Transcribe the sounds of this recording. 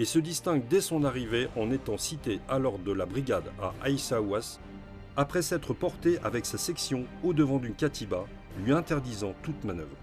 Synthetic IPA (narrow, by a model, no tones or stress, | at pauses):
esəd̪ist̪ɛ̃ɡd̪ɛsɔ̃naʁiveʔɑ̃net̪ɑ̃sit̪ealɔʁd̪əlabʁiɡad̪a̰ʔajsawas | apχɛsɛt̪χəpɔʁt̪eʔa̰vɛksasɛksjɔ̃od̪əvɑ̃d̪ynkʲat̪ʰiba | lɥiɛ̃t̪ɛʁd̪izɑ̃t̪ut̪manœ̰vʁ